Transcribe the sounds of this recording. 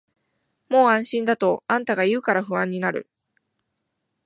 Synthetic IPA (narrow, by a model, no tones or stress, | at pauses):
mo̞ːãɰ̃ɕĩnd̪at̪o̞ãnt̪aɡaiɯ̟ːkaɾaɸɯ̟βãɲ̟ːinaɾɯ̟̰